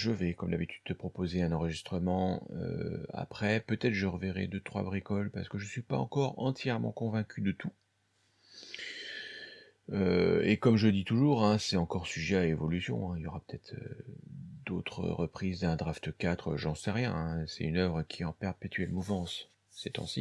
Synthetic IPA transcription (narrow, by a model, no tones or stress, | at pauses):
ʒəvɛkɔmd̪abit̪yd̪ːət̪əpχɔpozeɛ̃nɑ̃ʁəʒist̪χəmɑ̃ø̰a̰pχɛpøt̪ɛt̪χʒəʁəveʁɛ̰d̪øt̪χwa̰bʁikɔlpaʁsə̥kəʒəsɥipa̰ɑ̰̃kɔʁɑ̰̃t̪jɛʁmɑ̰̃kɔ̃vɛ̃kʲʰyd̪ət̪ʰu | øḛkɔmʒəd̪it̪uʒuʁɛ̃sɛɑ̃kɔʁsyʒɛaevɔlysjɔ̰̃ɛ̃iljɔʁapø̥t̪ʰɛt̪χø̰ | d̪ot̪χə̰ʁəpχizd̪ɛ̃d̪ʁaft̪kat̪χøʒɑ̃sɛʁjɛ̃ɛ̃sɛynœvʁəkʲʰiɑ̃pɛʁpet̪ʰɥɛlmuvɑ̃s | sɛt̪ɑ̰̃sḭ